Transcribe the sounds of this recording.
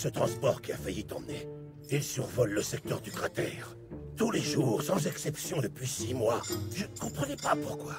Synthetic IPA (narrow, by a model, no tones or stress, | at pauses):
sət̪χɑ̃spɔʁkʲiafajit̪ɑ̰̃mne | ilsyʁvɔlːəsɛk̚t̪œʁd̪ykʁat̪ɛːʁ | t̪uleʒuʁsɑ̃zɛksɛpsjɔ̃d̪əpɥisimwaʒənəkɔ̃pχənɛpapuʁkwa